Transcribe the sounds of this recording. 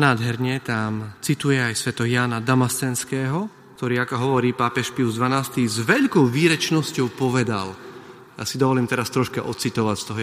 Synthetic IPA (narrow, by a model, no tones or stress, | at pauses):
naːd̪ɦɛɾɲɛt̪amt͡sit̪ujɛajsʋɛt̪ɔjaːnad̪amast̪ɛnskɛːɦɔ | kt̪ɔɾiːakɔɦɔʋɔɾiːpaːpɛʃpiuzd̪ʋanaːst̪izʋɛʎkɔʊʋiːɾɛt͡ʃnɔscɔʊpɔʋɛd̪a̰l | ja̰ːsid̪ɔʋɔliːmt̪ɛɾast̪ɾɔʃkaʔɔt͡sit̪ɔʋacst̪ɔɦɔ